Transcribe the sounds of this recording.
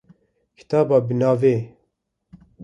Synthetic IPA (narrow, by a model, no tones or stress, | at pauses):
kʰi̥t̪ɑːbɑːbɨnɑːveː